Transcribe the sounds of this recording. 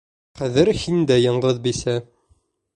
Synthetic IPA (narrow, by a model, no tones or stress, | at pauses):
qæðɘɾhind̪æjɑɴʁɤðbisæ